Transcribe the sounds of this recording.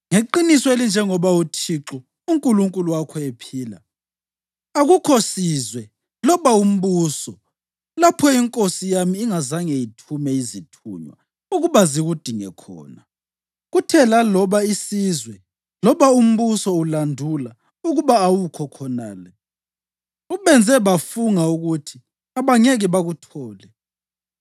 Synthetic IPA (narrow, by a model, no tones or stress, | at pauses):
ŋeǃinisɔelind͡ʒʱɛŋɔβautʰiǁɔ | uŋkʼuluŋkʼuluwakʰɔepʰiːla̰ | aɣukʰosizwɛ | lɔβaum̩βuːsɔ | lapʰɔiŋkʼosijamiːŋazaŋejitʰumɛizitʰṵːɲwa̰ | uɣuβaziɣud̥ʱiŋɛkʰɔ̰ːna | ɣutʰɛlalɔβaisizwɛ | lɔβaum̩βusɔulandʱula | uɣuβaːwukʰɔkʰɔnaːlɛ | uβɛnd͡zʱɛβafuŋauɣutʰi | aβaŋeɣɛβaɣutʰɔːlɛ